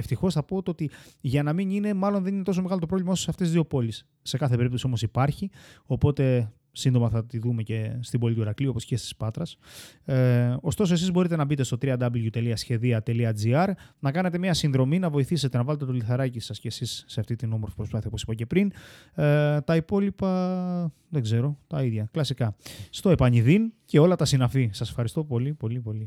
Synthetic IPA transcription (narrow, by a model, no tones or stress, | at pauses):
eft̪ixo̞sθɐpot̪ot̪iʝɐnɐminine̞mɐlo̞nðe̞nint̪oso̞me̞ɣɐlot̪opɾo̞vlimɐososɐft̪ezðio̞po̞lisːe̞kɐθe̞pe̞ɾipt̪o̞sio̞mo̞sipɐɾçio̞po̞t̪e̞ | sind̪o̞mɐθɐt̪iðume̞cest̪ibo̞lit̪uiɾɐkliuopo̞sce̞st̪i̥spɐt̪ɾɐs | o̞st̪o̞so̞e̞s̬izbo̞ɾit̪e̞nɐbit̪est̪o̞t̪ɾiɐd̪ɐbilʝut̪e̞liɐsçe̞ðiɐt̪e̞liɐd͡ziɐɾnɐkɐne̞t̪e̞mɲɐsinðɾo̞minɐvo̞iθise̞t̪e̞nɐvɐlet̪e̞t̪o̞liθɐɾɐcisɐsce̞ːsisːe̞ɐft̪it̪ino̞moɾfi̥pɾspɐθiɐoposipɐce̞pɾin | t̪ɐipo̞lipɐ | ðeɡze̞ɾo̞t̪ɐiðʝɐklɐsikɐst̪o̞e̞pɐɲiðince̞o̞lɐt̪ɐsinɐfisɐsefxɐɾist̪o̞po̞lipo̞lipo̞li